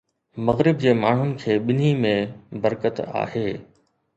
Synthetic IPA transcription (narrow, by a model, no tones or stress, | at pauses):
mɐɣɾɪb̚d͡ʑeːmaːɳ̤ʊnɪ̆kʰeːɓɪn̤imẽbɐɾkət̪a̰ːheː